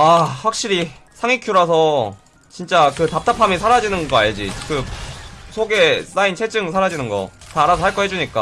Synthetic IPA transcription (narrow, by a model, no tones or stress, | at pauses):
aɸwak̚ɕ͈iɾi | sʰaŋikʰjuɾasʰʌ | t͡ɕint͡ɕ͈akɯtap̚t͈apʰamisʰaɾad͡ʑinɯnɡʌa̰ɲɯd͡ʑḭkɯ | sʰoɡe̞s͈aint͡ɕʰe̞d͡ʑɯŋsʰaɾad͡ʑinɯnɡʌ̰taːɾasʰoɦaɭk͈ʌɦe̞d͡ʑuɲik͈a̰